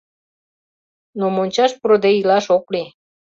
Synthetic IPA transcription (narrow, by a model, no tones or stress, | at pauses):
nomonʲt͡ɕɑʃpuɾod̪eilɑʃokli